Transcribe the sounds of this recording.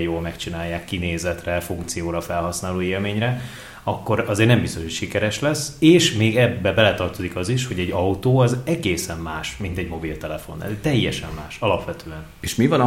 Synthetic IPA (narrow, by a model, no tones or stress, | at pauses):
joːlmɛkt͡ʃinaːjːaːkːineːzɛt̪rɛfuŋk̚t̪sijoːɾɒfɛlɦɒsnaːloːeːlmeːɲrɛ | ɒkːo̞ɾɒzeːrnɛmbist̪o̞ʃhocʃikɛɾɛʃlɛseːʃmeːɡɛbːɛbɛlɛt̪ɒrt̪o̞zikɒziʃho̞ɟɛɟːɒut̪oːɒzɛɡeːsɛmmaːʃmint̪ɛɟmo̞bilt̪ɛlɛfo̞̰nːɛ̰lt̪ɛjːɛʃɛmːaːʃɒlɒpʋɛt̪ʰøːɛneʃmivɒn